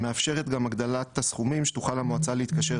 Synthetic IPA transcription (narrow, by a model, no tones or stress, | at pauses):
me̞afʃe̞ʁet̪ɡamaɡd̪alat̪asχumimʃetuχalamoat͡saleit̪kaʃe